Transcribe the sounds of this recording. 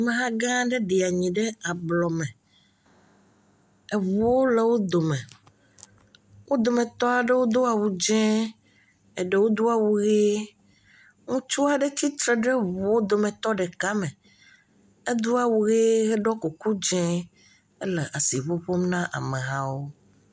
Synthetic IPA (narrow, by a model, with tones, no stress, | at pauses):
mẽ˨ɦã˦ɡã˦ɖɛ˦ɖe˨a˨ɲĩ˨ɖɛ˦a˨blɔ˨mɛ̃˨ | ɛ˨βo˨wo˦le˨wo˦d̪o˨mẽ˨ | wʔo˦d̪o˨mẽ˨t̪ɔ˦a˨ɖe˦wo˦d̪o˦a˨wu˨d͡ʒɛ̃˦ | ɛ˨ɖe˨wo˦d̪u˦a˨wu˨ɣe˦ | ŋũ˦t͡ʃu˦a˨ɖɛ˦t̪i˦t̪ɾɛ˨ɖɛ˦βu˨wo˦d̪o˨mɛ̃˨t̪ɔ˦ɖɛ˨ka˦mɛ̃˨ | ɛ˦d̪u˦a˨wu˨ɣe˦ɣɛ˦ɖɔ˦ku˨ku˦d͡ʒɛ̃˦ | e˦le˨ʔa˨si˨βo˦ɸo˦mnã˦ʔa̰˨me˨ɣã˦wo˦